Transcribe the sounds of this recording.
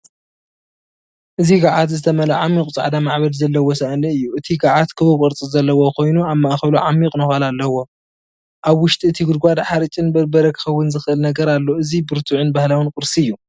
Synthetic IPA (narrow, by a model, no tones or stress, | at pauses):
ʔɨziɡaʕat̪zɨt̪ʰɐmɐlɐʕamːikʼt͡sʼa̰ʕd̪amaʕβɐd̪zɐlːɐwɔsaʔnɨɨjːuʔɨt̪ʰiɡaʕat̪kʰɨβɐkʼɐɾt͡sʼizɐlːɐwokʰo̞jnuaβmaʔxɐβluʕamːikʼnɐxʷalalːɐwo̞ | ʔaβwʊʃt̪ʼiɨt̪ʰiɡɨd̪ɡʷad̪ħaɾɨt͡ʃʼɨnbbɐɾɐkʰːɨ̥xɐwːʊnzɨxɨʔɨlnɐɡɐɾalːo̞ɨzibɨɾt̪ʰuʕɨnbahlawɨnkʼɨɾsiɨjːu